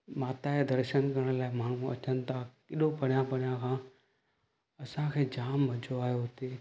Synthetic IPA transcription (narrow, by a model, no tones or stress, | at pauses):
maːt̪aed̪ɐɾʃənkɐɾə̃ɽ̃laːɪmaːɳ̤ũɐ̰t͡ɕənɪ̆t̪ʰaːkɪɗopɐɽ̤ijãpɐɽ̤ijãkʰãː | ɐsãkʰeːd͡ʑaːmʋɐd͡ʑoaːɦijoɦʊt̪eː